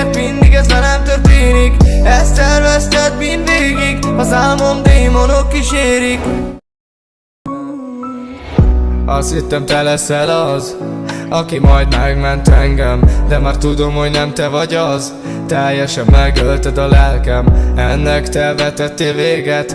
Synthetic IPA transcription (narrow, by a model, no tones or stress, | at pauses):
t̪mind̪iɡɛzɛnɛmt̪ørt̪eːnikɛst̪ɛrvɛst̪ɛt̪mind̪d̪eːɡiɡɒzaːlmomd̪eːmonokːiʃeːɾik | ɒst̪hit̪ːɛmt̪ɛlɛsɛlɒzɒkimɒjd̪mɛɡmɛnt̪ɛŋɡɛmd̪ɛmaːrt̪ud̪o̞mho̞ɟnɛmt̪ɛvɒɟɒz | t̪ɛjːɛʃɛmːɛɡølt̪ɛd̪ɒlɛlkɛmɛnːɛkt̪ɛvɛt̪ɛt̪ːeːveːɡɛt̪